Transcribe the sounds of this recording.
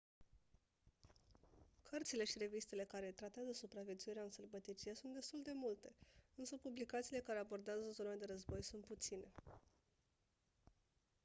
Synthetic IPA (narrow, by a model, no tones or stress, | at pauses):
kʰərt̪sile̞ʃiɾe̞vist̪e̞le̞kaɾe̞t̪ɾat̪eazəsupɾavjet̪suiɾeaɨnsərbət̪it͡ʃijesunt̪d̪e̞st̪uld̪e̞mult̪e̞ɨnsəpublikat̪siːle̞kaɾe̞abo̞rd̪eazəzo̞nad̪e̞ɾəzbo̞jsunt̪̚put̪sine̞